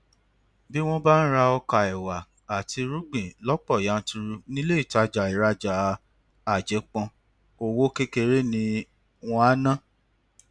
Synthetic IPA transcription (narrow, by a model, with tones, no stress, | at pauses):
bi˦w̃ɔ̃˦ba˦n̩˦ɾa˧ɔ˧ka˨ɛ˨wa˨ | a˨ti˧ɾu˦ɡ͡bĩ˨lɔ˦k͡pɔ˦˨ja˨˦n̩˦tũ˧ɾu˧nĩ˦le˦i˦˨ta˨˦d͡ʒa˨i˨ɾa˧d͡ʒa˨ | a˨d͡ʒɛ˨˦k͡pɔ̃˧ | o˧wo˦ke˦ke˧ɾe˦nĩ˧ | w̃ɔ̃˧a˦nã˦˨